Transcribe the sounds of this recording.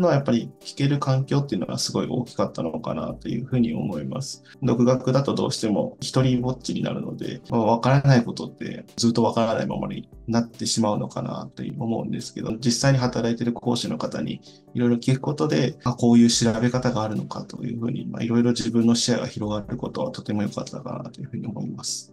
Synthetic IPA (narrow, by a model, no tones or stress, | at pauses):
noajapːaɾʲikʲi̥ke̞ɾɯ̟kãŋkʲo̞ːt̪ːe̞iɯ̟no̰ɡa̰sɨɡo̞iʔo̞̰ːkʲi̥kat̪ːanooka̰na̰t̪o̞jɯ̟ːɸɯ̟ːɲ̟io̞̰mo̞ima̰sɨ̥ | d̪o̞kɯ̟ɡakɯ̟d̪at̪o̞d̪o̞ːɕi̥t̪e̞mo̞̰çi̥t̪o̞ɾʲibo̞t͡ɕːiɲ̟ina̰ɾɯ̟̰no̞d̪e̞̰maβakaɾanaiko̞t̪o̞t̪ːe̞̰d͡zɨːt̪ːo̞β̞akaɾana̰ima̰mo̰ɲ̟ḭnat̪ːe̞ɕimaɯ̟no̞kana̰t̪ːe̞̰o̞mo̞ɯ̟̃nd̪e̞sɨ̥ke̞d̪o̞d͡ʑisaiɲ̟iɦat̪aɾait̪e̞ɾɯ̟kʰo̞ːɕino̞kat̪aɲ̟ḭ | iɾo̞iɾo̞kʲikɯ̟ko̞t̪o̞d̪e̞ako̞ːjɯ̟ːɕiɾabe̞kat̪aɡaːɾɯ̟no̞kat̪o̞̰jɯ̟̰ːɸɯ̟ːɲ̟ḭma̰iɾo̞iɾo̞d͡ʑibɯ̟̃nːo̞ɕiaɡa̰çiɾo̞ɡaɾeɾɯ̟ko̞t̪o̞βa̰t̪o̞t̪e̞mo̞jo̞kat̪ːakana̰t̪o̞jɯ̟ɸɯ̟ɲ̟io̞mo̞imasɨ̥